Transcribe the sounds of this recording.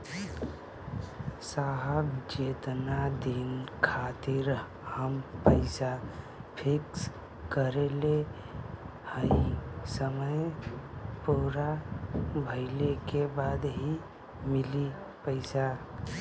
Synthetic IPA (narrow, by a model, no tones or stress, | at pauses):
saɦəbd͡ʒeːt̪nad̪inkʰat̪iɾ | həmpəɪsa | pʰɪks | kəɾele | həisəməj | puɾa | bʱəɪlekebad̪ɦi | mɪli | pəɪsa